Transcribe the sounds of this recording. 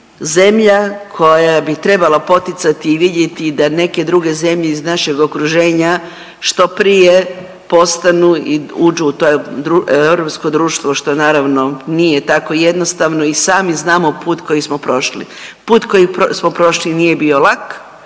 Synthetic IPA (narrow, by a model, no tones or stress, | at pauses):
ze̞mʎakʰo̞jaabit̪ɾe̞balapo̞t̪it̪sat̪iːʋid̪je̞t̪id̪ane̞ke̞d̪ɾuɡe̞ze̞mʎeiznaʃe̞ɡokɾuʒe̞ːɲa | ʃt̪o̞pɾije | po̞st̪anuiud͡ʒuːt̪od̪ɾuewɾopskod̪ɾuːʃt̪ʋoʃt̪o̞naːɾaʋno̞nije̞t̪ako̞je̞d̪nost̪aʋnoisaːmiznaːmo̞puːt̪ko̞jismo̞pɾo̞ʃlḭ | puːt̪ko̞jiposmopɾo̞ʃlinije̞bio̞lˠak